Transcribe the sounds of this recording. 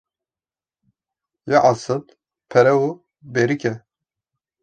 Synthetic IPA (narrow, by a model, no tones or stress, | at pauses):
jɛʔɑsɨb | pʰɛɾɛu | beɾikʲɛ